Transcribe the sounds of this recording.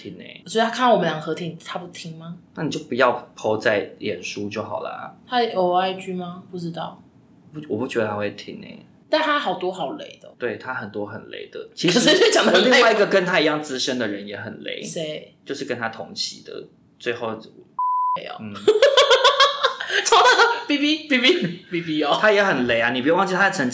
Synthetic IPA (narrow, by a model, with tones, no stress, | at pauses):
t̪ʰi˧˥ŋnḛ˧˩sɔ˧˥i˨t̪ʰa˥kʰn˥˨wɔ˨˩mə˦nljɑ˨˩ŋxɤ˧˥t̪ʰi˧˥ŋt̪ʰa˥pu˥˩t̪ʰi˧˥ŋma˧na˥˩ni˨˩t͡ɕjo˥˩pu˨˦jɑ˥˩ʊpʰo˧˥ʊt͡sa˥˩ɪljɛ˨˩nʂu˥t͡ɕjo˥˩ʊxɑ˨˩ʊlə̰˨t̪ʰa˥˩o˧˥˩a˥˧ɪt͡ɕy˥ma˧pu˥˩ʈ͡ʂɻ̩˥t̪ɑ˥˩ʊ˥˩ | wɔ˨˩pu˥˩t͡ɕɥɛ˧˥d̪ə˧˩a˥we˥˧˩t̪ʰḭ˥ŋnḛ˧˩ɪ | t̪a˥˩nt̪ʰa˥xɑ˨˩ʊt̪wɔ˥xɑ˨˩ʊle˧˥˦ɪd̪̥ə˧t̪we˥˩ɪt̪ʰa˦xə˨˩nt̪wɔ˥xə˨˩nlḛ˧˥ɪd̪ə˨t͡ɕʰi˧˥ʂə˨˩ʂ̩˧˥e˥˩t͡ɕjɑ˨ŋd̪ə˧˩li˥˧˥ŋ˥wa˥˩i˧˥ɡə˨˩kə˦˥nt̪ʰa˥i˧˥jɑ˥˩ŋt͡sɹ̩˥ʂə˦nd̪ə˨ɻə˧˦njɛ˨˧˥xə˨˩nlḛ˧˥ɪe˥˩t͡ɕjo˥˧ʊʂɻ̩˥˩kə˥nt̪ʰa˥t̪ʰʊ˧˥ŋt͡ɕʰi˧˥d̪ə̰˧˩ | t͡swe˥˧ɪxo˥˩ʊ | e˥˧˩ɪ̰˨n̩˥˩ | ʈ͡ʂʰɑ˥ʊt̪ʰa˥˩d̪ə˨pi˥˩pi˥bi˥pi˦pi˨˧˩pi˧o˧t̪ʰa˥jɛ˧˥xə˨˩nle˧˥ɪa˦ni˨˩p̬u˧˥˧wɑ˥˧t͡ɕi˥˩t̪ʰa˥˩ʈ͡ʂʰə˧˦ŋ